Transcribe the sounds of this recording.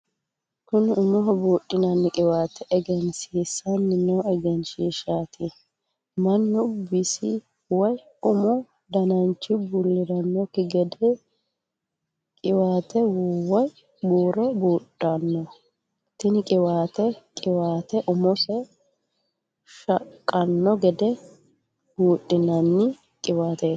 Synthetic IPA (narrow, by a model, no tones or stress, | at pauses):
kʊnʊmɔɦɔbuːɗɪnɐnːɪkʼɪwaːt̪ʰɛʔɛɡɛnsiːsɐnːɪnɔɛɡɛnsiːʃaːt̪ʰɪ | mɐnːʊbːɪsɪ | wɐj | ʊmʊ | d̪ɐnɐnt͡ʃːɪbulːɪɾɐnːɔkɪɡɛd̪ɛ | kʼɪwaːt̪ɛwɔj | buːɾɔbuːᶑːɐnːɔ | t̪ɪnɪkʼɪwaːt̪ɛkʼɪwaːt̪ɛʔʊmʊsɛ | ʃɐkʼːɐnːɔɡɛd̪ɛ | b̥uːɗːɪnɐnːɪ | kʼɪwaːt̪e